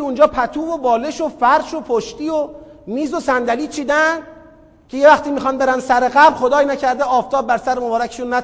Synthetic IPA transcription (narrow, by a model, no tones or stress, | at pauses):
und͡ʒɒːpʰæt̪ʰuːvo̞bɒːle̞ʃofæɾʃo̞pʰoʃt̪iːomiːzo̞sænd̪æliːt͡ʃʰiːd̪æn | cʰe̞je̞væxt̪iːmiːxɒnbe̞ɾænd̪sæɾeɣæblxo̞d̪ɒːjnæcʰæɾd̪eɒːft̪ʰɒːb̚ːæɾsæɾemobɒːɾæckʰeʃunːæt̪